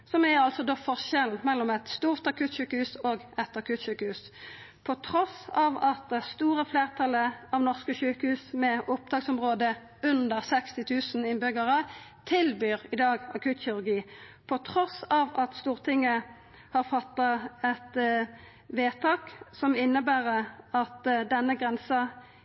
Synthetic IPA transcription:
sɔmæʁɑlsɔd̪oːfɔʁʃɛln̩mɛlːɔmɛt̪st̪uːʁt̪ɑkʰʉːt̪ɕʉːkəhʉːsoːɡɛt̪ɑkʰʉːt̪ʃʉːkəhʉːs | pʰɔt̪ʰʁɔsɑːʋɑt̪̚st̪uːʁəfleːʁt̪ʰɑləɑʋnɔʁskəçøːkəhʉːsmɛʊp̚d̪ɑːɡsɔmʁoːd̪ə | ʉnd̪əʁsɛkst̪ɪt̪ʰʉːsn̩ɪnbʏɡəʁət̪ʰɪlbyːʁɪd̪ɑːɡɑ̰kʰʉːt̪ɕɪʁʉʁɡiːpʰɔt̪ʰʁɔsɑːʋɑt̪st̪uːʁt̪ʰɪŋːə | hɑʁfɑt̪ːɑɛt̪ | ʋeːt̪ʰɑːksɔmɪnːəbæːʁəɑt̪d̪ɛnːəɡʁɛnsɑ

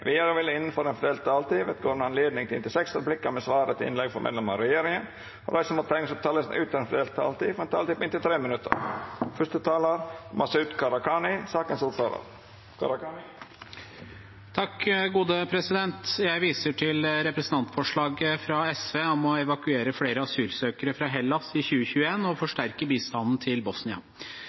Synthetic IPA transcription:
ʋɪjøɾəʋɪlːəɪnənfɔɾɛnfd̪ɛːlt̪̚t̪ʰɑːlt̪iːʋɛt̪ɡoːɾnɑnleːd̪nɪŋt̪ʰɪɪnt̪ɪlsɛksɾəblɪkːəmɛsʋɑːɾət̪ʰɪɪ̰nlɛɡfɔɾmɛ̰d̪lɛməəɾɛjeːɾɪŋən | ɔɾæɪsəmʊt̪ʰɛŋəsɔp̚t̪ʰɑːləsnʔʉːt̪ʰəɛnfd̪ɛlt̪ʰːɑ̰ːlt̪iːfɔɾɛnt̪ʰɑ̰ːlt̪iːpɪnt̪ɪlt̪ʰɾeːmənʉt̪ʰːə̰ɾfʉʂt̪ət̪ʰɑːləɾmʔɑsʉt̪kʰɑɾɑkʰɑnɪsɑːkənsɔt̪ɑːlə̰ɾ | kʰɑ̰ɾ | t̪ʰɑkːɡuːd̪əpʰɾɛsɪd̪ɛnt̪jæɪʋiːsəʈʰɪlɾɛpɾɛsən̩t̪ɑnt̪fɔʂɭɑːɡəfɾɑɛsʋeːɔmɔɛʋɑkʉeːɾəfɽeːɾəɑsyːlsøːkəɾəfɾɑɦɛlːɑsɪçʉːəçʉːəeːnɔfɔʂʈæɾkəbiːst̪ɑnn̩t̪ʰɪlbɔsnɪɑ̰

